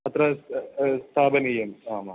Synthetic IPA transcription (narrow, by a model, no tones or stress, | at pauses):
ɐt̪ɾɐst̪ʰaːbɐnijɐmaːma